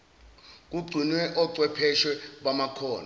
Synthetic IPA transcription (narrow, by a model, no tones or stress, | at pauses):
k̬uɡ͡ǀʱinwɛʔɔǀwɛpʰɛʃwɛɓamakʰɔːna